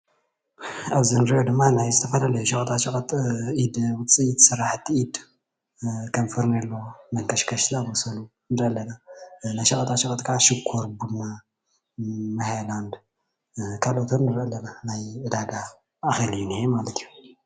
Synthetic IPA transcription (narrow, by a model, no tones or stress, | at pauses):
ʔaβzɨnɨɾijod̪ɨmːanajzɨt̪ʰɐfɐlalɐjuʃɐkʼɐt̪ʰaʃɐkʼɐt̪ʔid̪wɨt͡sʼijt̪ʰsɨɾaħt̪ʰːiʔid̪ | kʰɐmfɨɾnɐlːomɐŋkʰɐʃkʰɐʃlamosɐlu | nɨɾɐlːɐnanajʃɐkʼɐt̪ʰatʃɐkʼɐt̪kʰaʕaʃɨkʰːoɾbunːa | mɐheland̪ | kʰalot̪ʰonːɨɾʔɐlːɐnanajʔɨd̪aɡa | ʔːxelɨjunihemalɐt̪ʰijːu